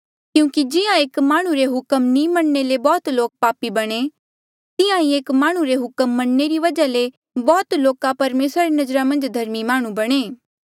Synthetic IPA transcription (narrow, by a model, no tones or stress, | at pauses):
kjũːkid͡ʒɪjãeːkmaːɽ̃uɾeɦʊkəmnĩmɐɳnelebɔːt̪loːk̚paːpibɐɽ̃e | t̪ɪjãĩeːkmaːɽ̃uɾeɦʊkəmːɐɽ̃neɾiʋɐd͡ʒale | bɔːt̪loːkapɐɾmeːsɾaɾinɐd͡ʒɾamɐ̃nd͡ʒd̪ʱɐɾmimaːɽ̃ũbɐɽ̃eː